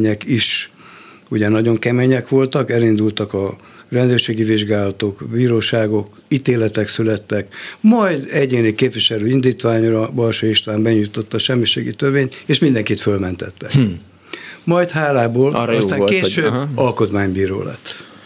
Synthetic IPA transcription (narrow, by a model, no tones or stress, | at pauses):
ɲɛkiʃ | uɟɛnɒɟo̞ŋkɛmeɲɛkʋo̞lt̪ɒkɛlind̪ult̪ɒkɒrɛnd̪øːrʃeːɡiviʒɡaːlɒt̪okbiːɾoːʃaːɡo̞k | it̪eːlɛt̪ɛksylɛt̪ːɛkmɒjd̪ɛɟeːnikeːpʋiʃɛløːind̪iːt̪ʋaːɲrɒbɒlʃoiʃt̪ʋaːmbɛɲujt̪o̞t̪ːɒʃɛmːiʃḛːɡit̪ørveːnt̪eːʃmind̪ɛŋkit̪følmɛnt̪ɛt̪ːɛk | mɒjt̪haːlaːboːlst̪aːŋkeːʃøːbɒlko̞t̪maːɲbiːɾo̰ːlɛ̰t̪ː